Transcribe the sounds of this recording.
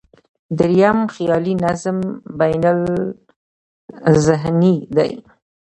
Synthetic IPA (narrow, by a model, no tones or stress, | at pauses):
d̪ɪɾjamxjɑlinazmbajnal | zɪɦnid̪a̰j